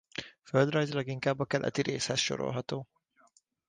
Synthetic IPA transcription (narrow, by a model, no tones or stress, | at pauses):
føld̪rɒjzilɒɡiŋkaːbːɒkɛlʔɛ̰t̪iɾeːshɛsʃo̞̰ɾo̰lɦɒt̪oː